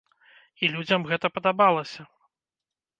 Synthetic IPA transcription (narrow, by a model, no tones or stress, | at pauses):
ilʲud͡zʲɐmɣɛt̪ɐpɐd̪abalˠɐsʲɐ